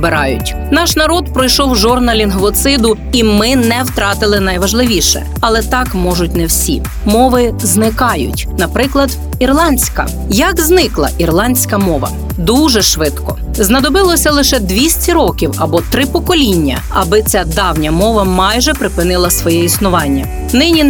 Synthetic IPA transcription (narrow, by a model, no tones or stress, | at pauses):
bɪɾɑjʊ̰tʲ | nɑʃnɐɾɔd̪pɾɔjʃɔwʒɔrnɐlʲinɦʋɔt̪sɪd̪ʊ | imɪnɛwt̪ɾɑt̪ɪlˠɪnɐjʋɐʒlˠɪʋʲiʃɛ̰ | ɐlˠɛt̪ɑkmɔʒʊtʲnɛwsʲḭ | mɔʋɪznɪkɑjʊ̰tʲnɐpɾɪklˠɐd̪ | irlˠɑnʲsʲkɐ̰ | jɐɡznɪklˠɐ̰ʔirlˠɑnʲsʲkɐmɔʋɐ̰ | d̪uʒɛʃʋɪt̪kɔ̰ | znɐd̪ɔbɪlˠɔsʲɐlˠɪʃɛd̪ʋʲisʲtʲiɾɔkʲiwɐbɔt̪ɾɪpɔkɔlʲinʲːɐ̰ | ɐ̰bɪt͡sʲad̪ɑwnʲɐmɔʋɐmɑjʒɛpɾɪpɪnɪlˠɐsʋɔjɛisnʊʋɑnʲːɐ | nɪnʲi